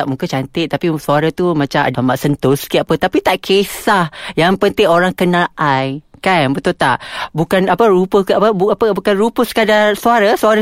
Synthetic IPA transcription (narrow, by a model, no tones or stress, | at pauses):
aʔmukat͡ʃant̪ɪt̪apisuaɾat̪umãt͡ʃamʔa̰damaʔsənt̪ʊsə̥kiaʔpət̪apit̪aʔkʰesahjaŋpənt̪ɪŋoɾaŋkənaʔajkanbət̪ʊlt̪aʔbukanapəɾupəaəbuapəbukanrupəskadarsuaɾasuaɾa